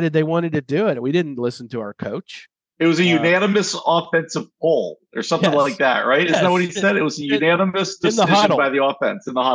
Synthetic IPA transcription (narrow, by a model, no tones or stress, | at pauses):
ɾɨd̪̚ðeɪwɑ̃ɾ̃ɨd̚tɨdɨɪtwiɾɪdⁿn̩tlɪsn̩tʰɨaʊə˞kʰoʊt͡ʃ | ɨt̚wʌzɨjʉnænɨmɨsɔfɛ̃nsɨv̥k̚ʰolˠə˞sʌ̃mθθɪ̃ŋlaɪk̚ðæ̰ʔ̚ɹaɪt̚ɪzzn̩ət̚wʌt̚hisɛɾɨt̚wʌzɨjʉnænəmɨsd̥ɨ̃sðəɪhɑʒɨnɾl̩ˠbaɪðiɔfɛ̰̃nsɨ̃n̩ðəhɑ